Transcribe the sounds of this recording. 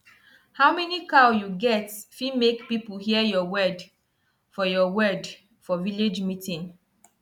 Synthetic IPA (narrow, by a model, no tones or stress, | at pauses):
haʊmɛnikaʊjuɡɛtfimekpipuhiəjɔwɜd | fɔjɔwɜd | fɔviled͡ʒmitĩn